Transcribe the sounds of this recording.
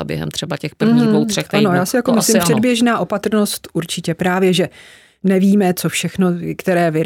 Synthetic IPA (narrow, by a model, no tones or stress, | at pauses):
bjɛ̰ɦɛ̰mt̪r̥ɛbacɛxpr̩vɦɲiowɛkʔ̪ano̞jaːsɪjakomɪslɪmmpr̥ɛdbjɛʒnaːʔo̞pat̪r̩no̞st̪ʔuɾt͡ʃɪcɛpɾaːvjɛʒɛ | nɛviːmɛt͡sofʃɛxnokt̪ɛɾɛːvɪ